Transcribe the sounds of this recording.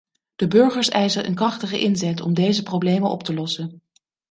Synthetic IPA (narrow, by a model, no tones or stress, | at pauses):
d̥əbøɹχəɹsɛjzərʔə̰nkrɑχtəχə̰ʔɪnzɛtɔ̰mdejzəprowblejmənʔɔ̰ptəlɔsən